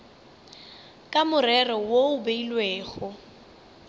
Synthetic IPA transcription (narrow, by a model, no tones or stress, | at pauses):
kʼamʊrɛrɔwoʊbeilweːɣɔ